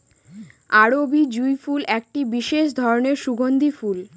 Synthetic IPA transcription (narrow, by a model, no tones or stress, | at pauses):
aɾobid͡ʑujfulɛk̚ʈibiʃeʃd̪ʱɔɾoneɾʃuɡond̪ʱiful